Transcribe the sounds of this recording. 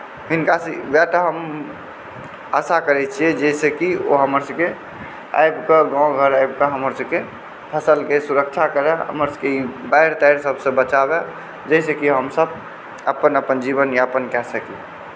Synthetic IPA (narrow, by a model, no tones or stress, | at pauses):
ɦinkasebɛʈɦəm | əsakəɾɛt͡ʃʰijɛd͡ʒɛsekioɦəməɾsəbke | a̰jbkəɡãw̃ɡʱəɾajbkəɦəməɾsəbke | pʰəsəlkesuɾək̚t͡ʃʰakəɾeə̰məɾsə̥keibaiɾt̪aɪɾsəbsə̃bət͡ʃabe | d͡ʒəɪsekiɦəmsəb | əpənəpənd͡ʒibənjaəpənkɛsəki